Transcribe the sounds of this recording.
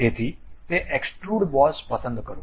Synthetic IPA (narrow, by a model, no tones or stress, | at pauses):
et̪ʰit̪eʔeksʈɾuːɽbɔspəsə̃nd̪kəɾũ